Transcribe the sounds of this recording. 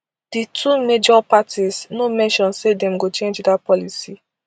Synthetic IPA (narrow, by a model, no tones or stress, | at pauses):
d̥itʰumed͡ʒɔpatisnomɛ̃nʃɔ̃nsedɛ̃mɡot͡ʃẽnd͡ʒdapɔlisi